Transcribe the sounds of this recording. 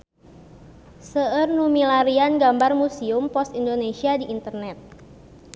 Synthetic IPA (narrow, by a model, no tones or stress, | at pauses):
səərnumilaɾianɡambarmusiumpɔst̪indonesiadiʔːnt̪ərnɛt̪̚